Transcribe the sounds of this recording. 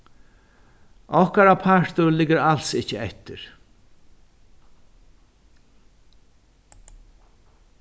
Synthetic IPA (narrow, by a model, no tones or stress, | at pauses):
ɔhkaɾapʰaɹt̪ʊɾlɪɡɪɾal̥sɪhcːəɛt̪ːɪɾ̥